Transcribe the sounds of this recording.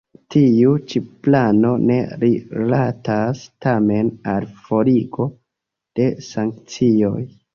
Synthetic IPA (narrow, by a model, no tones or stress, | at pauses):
tiut͡ʃiplano̞ne̞ɾilatastame̞nalfo̞ɾiɡo | d̥e̞saŋkt͡sio̞j